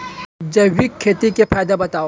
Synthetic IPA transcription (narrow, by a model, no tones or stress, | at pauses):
d͡ʒɐwikʰːeːt̪ikepʰaːjd̪abɐt̪aːo